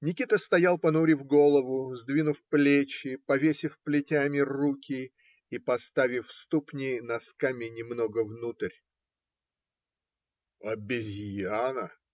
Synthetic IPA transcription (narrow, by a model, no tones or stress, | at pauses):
nʲɪkʲit̪əst̪ɐjalˠpɐnuɾʲɪvɡo̞lˠəvʊzd̪vʲinʊfplʲet͡ɕːɪpɐvʲesʲɪfplʲɪtʲamʲɪrukʲɪ | ipɐst̪avʲɪfst̪upnʲɪnɐskamʲɪnʲɪmno̞ɡəvnut̪ɨrʲ | ɐbʲɪzʲjanə